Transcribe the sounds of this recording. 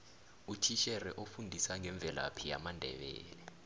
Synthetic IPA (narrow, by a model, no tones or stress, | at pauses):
utʰiʃɛrɛʔofundʱisaŋɛɱb̪vʱɛla̰pʰija̰mandʱɛ̰ɓɛ̰ːlɛ